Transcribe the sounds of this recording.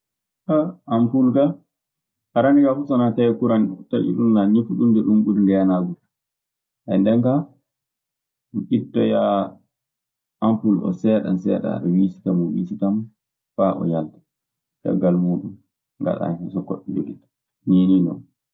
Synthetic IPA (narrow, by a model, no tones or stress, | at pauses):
kaːmpulɡa | aɾaniɡafusɔnatajɛkuɾantaʔḭɗunːaɲifuɗundɛɗumɓudindɛjanaɡuɾ | ʔandɛŋka | ʔitːɔja | ampulɔ̰sɛɗa̰nsɛːɗa̰ɗɔwisi̥tamɔwisitam | faʔɔ̰jaltḁ | ka̰ɡalmuːɗum | ŋɡa̰ɗa̰nɛsɔkoɗːɛd͡ʒoɡitḁ | nininɔ̰n